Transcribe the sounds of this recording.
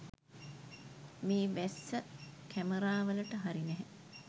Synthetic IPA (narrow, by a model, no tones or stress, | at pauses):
miːʋæsːəkʰæməɾaːʋələʈəɦaɾinɛɦɛ